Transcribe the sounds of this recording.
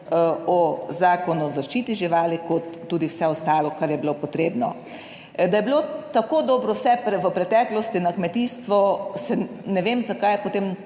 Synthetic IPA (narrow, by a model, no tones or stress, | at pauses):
ɔzaːkɔnuzaʃt͡ʃiːt̪iʒiʋaːlikɔt̪ːuːd̪iwsɛɔst̪aːlɔkaɾjɛbilopot̪ɾeːbnɔ̰ | d̪ajɛbilot̪akoːd̪ɔːbɾɔwsɛpɾɛʋəpɾɛt̪ɛːklɔst̪inɐkmɛt̪iːst̪ʋɔsɛ | nɛʋeːmzakaːjpot̪eːm